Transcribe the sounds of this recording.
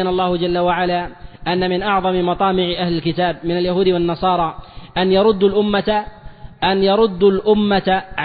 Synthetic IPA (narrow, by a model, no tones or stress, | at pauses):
anɑlˤːɑːhʊd͡ʒalːawaʕalaːʔanːamɪnʔɑʕðˤɑmɪmɑt̪ˤɑːmɪʕɪʔahlɪlkɪt̪aːb̚mɪnaljahuːd̪ɪwanːɑsˤɑːɾˤɑːʔanjɑɾˤʊd̪ːʊlʔʊmːa | ʔanjɑɾˤʊd̪ːalʔʊmːaaʕ